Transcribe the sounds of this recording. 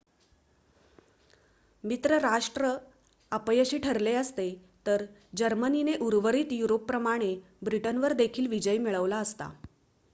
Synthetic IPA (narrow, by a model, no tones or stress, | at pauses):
mit̪ɾəɾaʂʈɾə | apəjəɕiːʈʰəɾleəst̪et̪əɾd͡ʑəɾmənineʔuɾʋəɾiːt̪juɾopːɾəmaɽ̃e | bɾiʈənʋəɾd̪ekʰiːlʋid͡ʑəjmiɭəʋlaəst̪a̰